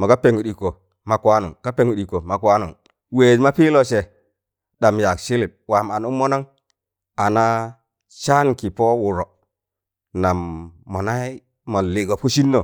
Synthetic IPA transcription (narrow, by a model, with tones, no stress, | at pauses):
mo˨ka˦pe˨ŋu˨ɗi˨ko˨ | ma˨ka˦nṵ˨ŋka˦pe˦ŋu˨ɗi˨ko˨ma˨kwa˦nu˨ŋ | we˨d͡ʒma˦pi˦lo˦˨t͡ʃe˨ | ɗa˨mja˨kʃi˦li˨b̚wa˨ma˨nu˦mo˦no˦ŋ | a˨na˦ | t͡ʃa˦nki˨po˦wu˨ɾo˨ | na˨mːo˨na˦i˦ | mo˨li˨ɡo˨p̚ko˦ʃi˦nːo˨